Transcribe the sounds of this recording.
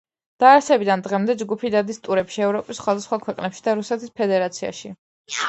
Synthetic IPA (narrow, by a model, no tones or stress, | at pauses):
d̪̥aːɾsɛbid̪and̪ʁɛmd̪ɛd͡ʒɡupʰid̪ad̪ist̪ʼuɾɛpʃiɛvɾɔpʼisːχwad̪asχwakʰwɛqʼnɛpʃid̪aɾusɛt̪ʰispʰɛd̪ɛɾat̪sʰia̰ʃi